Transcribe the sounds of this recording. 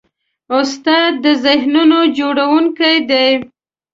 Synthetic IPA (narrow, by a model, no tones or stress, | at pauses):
ʊst̪ɑd̪ːəzɪhnunod͡ʒoɽawuŋkajd̪aj